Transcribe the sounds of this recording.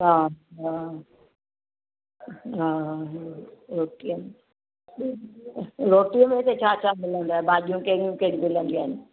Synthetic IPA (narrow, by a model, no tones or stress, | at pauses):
ɦaːɦa | ɦa | ɾoːʈijəm | ɾoːʈijəmẽɪset͡ɕʰaːt͡ɕʰaːmɪlə̃nd̪aːɦebaːd͡ʒijũkeɾijũkeɽmɪlə̃nd̪iaːɦɪnɪ